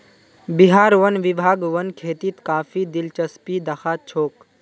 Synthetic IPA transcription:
biɦaːɾʋənʋibʱaːɡʋənkʰeːt̪it̪kaːfʰid̪ɪlt͡ʃəspid̪ɐxʰaːt̪̚t͡ʃʰoːk

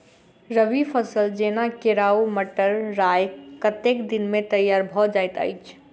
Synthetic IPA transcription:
ɾəʋipʰəsəld͡ʒenakeɾauməʈəɾːajkət̪ekd̪inmet̪əjaɾbʱɔd͡ʒajt̪ə̰jt͡ʃʰ

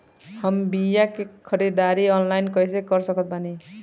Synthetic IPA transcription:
həmbijakekʰʌɾid̪aɾiɔnlajnkʌjsekʌɾsʌkʌt̪̚bani

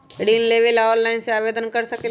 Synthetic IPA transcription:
ɽiːnleːʋelaːɾlaɪnseaːʋeːd̪ənkɐɾsəke

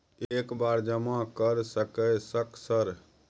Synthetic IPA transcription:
ekbaɾd͡ʒəmãkəɾsəkəsəksəɾ

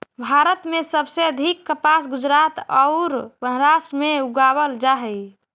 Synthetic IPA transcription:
bʱaɾət̪mesəbseəd̪ʱikːəpasɡud͡ʒɾat̪ɔʊɾbəɦɾaʃʈəmeuɡaβəld͡ʒaɦɛj

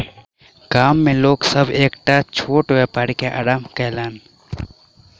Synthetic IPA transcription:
ɡaːmːẽloːɡsəbʱeːkʈaːt͡ʃʰoːʈoepaɽikeʔa̰ːɾaːmkɛːlaːn

